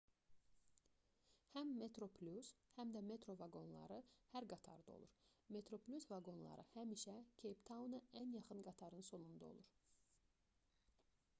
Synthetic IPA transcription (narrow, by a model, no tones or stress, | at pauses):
hæmːe̞t̪ɾo̞pʰlʲushæmd̪æme̞t̪ɾo̞vɑɡo̞nlˠɑ̰ɾɯhæɾɡɑt̪ʰɑ̰ɾd̪o̞̰lˠṵɾme̞t̪ʰɾo̞plʲusvɑɡo̞nlˠɑ̰ɾʔɯ̰hæmiʃæcʲʰejpt̪ʰɑunɑænjɑχɯnɡɑt̪ʰɑɾɯnso̞nund̪ɑo̞̰lˠuɾ